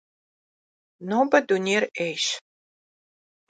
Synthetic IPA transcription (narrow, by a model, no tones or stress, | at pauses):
noːbɐdunʲeːrejʃ